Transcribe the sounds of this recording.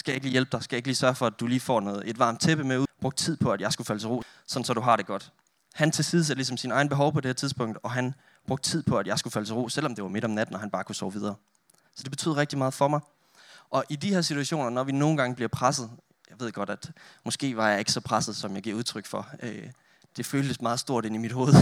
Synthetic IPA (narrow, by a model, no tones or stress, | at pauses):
sɡ̥æjɑe̝ɡ̥liːjelb̥d̥ɑ̈ɪsɡ̥æjae̝ɡliːsɶɐfɒ̽æd̥uliːfɒ̰ːnɔːð̩ˠe̝d̥ʋɑ̈ːm̥̚t͡sʰeb̥əmeub̥ʁɔ̽ɡ̥d̥t͡sʰið̞̰ˠpʰɒ̽æd̥jɑ̈ɪsɡ̥ufæl̰ət͡sʰe̝ʁo̝̰ː | sɒ̽d̥n̩sɒ̽d̥uɦɑ̈ɾ̥e̝ɡ̥ɒ̽d̥ | hænt͡sʰe̝lsið̩ˠsælisɒ̽msinɑ̈ɪn̩b̥e̝ɦɒ̽ʊpʰɒd̥e̝heɐt͡sʰiðˠsb̥ɔ̽ŋ̰d̥ɒ̽ɦæn | b̥ʁɔ̽ɡ̥d̥t͡sʰið̰ˠpʰɒ̽æd̥jɑ̈ɪsɡ̥ufælət͡sʰe̝ʁo̰ːsel̰ɒ̽md̥e̝ʋɑ̈me̝ɾ̥ɒ̽mnæd̥n̩ɒɦænb̥ɑ̈ːkʰusɒ̰ʊʋið̞ˠɐː | sɒ̽d̥e̝b̥e̝yð̰ˠɐʁɛɡ̚d̥imɑ̈ːð̞̩ˠfɒ̽mɑ̈ɪ | ʔɒ̽ʔidiheɐsit͡sʰuæɕo̝̰ːnɐnɒʋino̝ːn̩ɡ̥ɑ̈ŋəb̥liɐpʰʁasð̞̩ˠ | jɑɪʋe̝ð̰ˠɡ̥ɒ̽ɾ̥æd̥mɔ̽sɡ̥e̝̰ːʋɑ̈jɑ̈ɪe̝ɡ̥sɒ̽pʰʁasð̩ˠsɒ̽mjɑ̈ɡiɐuð̞ˠt͡sʰʁœɡ̥fɒ̽ø | d̥e̝føːld̥əsmɑ̈ːð̩ˠsd̥o̝ɐ̰ɾ̥e̝nimid̥ho̝ːð̞̩ˠ